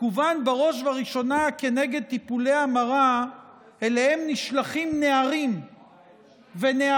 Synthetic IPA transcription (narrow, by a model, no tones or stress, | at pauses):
uvanbaʁo̞ʃvaʁiʃo̞nake̞ne̞ɡe̞d̪̚t̪ipule̞amaʁa | e̞lehe̞mniʃlaχimne̞aʁim | ve̞nea